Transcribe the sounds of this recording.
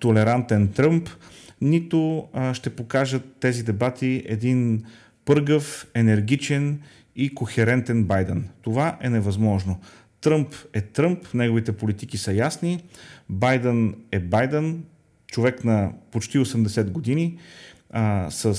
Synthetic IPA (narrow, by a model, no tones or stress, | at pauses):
t̪olɛɾant̪ɛnt̪ɾɤmpnit̪oʃt̪ɛpokaʒət̪ːɛzid̪ɛbat̪iʔɛ̰d̪in | pɤɾɡəfɛnɛɾɡ̟it͡ʃɛn | ikoxɛɾɛnt̪ɛnbajd̪ənt̪ovaʔɛnɛvɐzmɔʒno | t̪ɾɤmpɛt̪ɾɤmpnɛɡovit̪ɛpolit̪ikisəjasnibajd̪ənɛbajd̪ən | t͡ʃovɛknɐpot͡ʃt̪iosɛmd̪ɛsɛd̪ɡod̪ini | sə